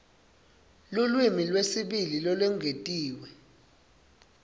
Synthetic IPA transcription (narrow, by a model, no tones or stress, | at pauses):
lulwimilwesiɓililɔlwɛŋʱetʼiːwɛ